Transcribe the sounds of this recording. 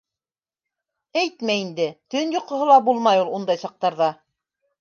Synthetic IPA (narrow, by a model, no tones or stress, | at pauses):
æjt̪mæind̪ɘt̪ɵnjŏqŏɦɤ̆lˠɑbulˠmɑjulˠund̪ɑjsɑq̚t̪ɑɾðɑ